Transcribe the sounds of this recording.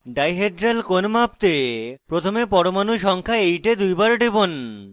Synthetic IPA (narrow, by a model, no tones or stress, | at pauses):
ɖajɦeʈɾelkonmapt̪epɾot̪ʰomepɔɾomanuʃɔŋkʰaejʈed̪ujbaɾɖebon